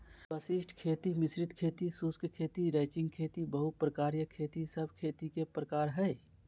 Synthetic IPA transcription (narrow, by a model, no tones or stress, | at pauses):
bəsisʈʰkʰeːt̪imɪsɾɪt̪kʰeːt̪isuskkʰeːt̪iɾɛːt͡ʃɪ̃ŋɡ̚kʰeːt̪ibəɦupɾəkaːɾjəkʰeːt̪isəbʱkʰeːt̪ikepɾəkaːɾɦɛj